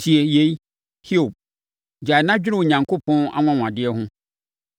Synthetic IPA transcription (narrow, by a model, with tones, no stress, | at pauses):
tʰi˨e˨je˨˦i˦ | hi˦o˨b̚ | d͡ʑa˨nã˦d͡ʑᶣɪ˦ɾɪ̃˦˨o˨ɲã˨ŋkʰo˦pʰɔ̃˦a̰˦w̃ã˦wã˨dɪ˦ɛ˦ɦʊ̃˦